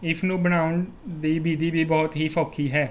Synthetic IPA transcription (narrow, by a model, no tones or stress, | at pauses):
ɪfʰnũːbəñaːʊən | d̪iːbiːd̪iːbʱiːbɔːt̪ɦiːfʰɔːkʰiːɦɛː